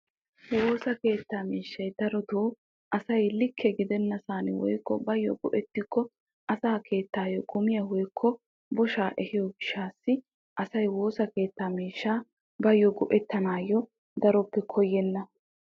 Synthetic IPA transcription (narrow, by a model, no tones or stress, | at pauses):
wo̞ːsɐke̞ːt̪ːaːmiːʃːɐjd̪ɐɾɔd̪oː | ʔɐsɐjlɪkʰːɛɡɪd̪ɛnːɐsaːnɪ̰wɔ̰jkːɔbɐjːɔ̰ɡʊʔɛt̪ːɪkʰːɔ | ʔɐsaːkʰe̞ːt̪ːaːjɔɡʼʊmɪjɐwɔjkʰːɔ | bɔʃaːʔɛhɪjɔɡɪʃːaːsːɪ | ʔɐsɐjwoːsɐke̞ːt̪ːaːmiːʃːaː | bɐjːɔɡʊʔɛt̪ːɐnaːjːɔ | d̪ɐɾɔpːɛkʰɔjːɛnːɐ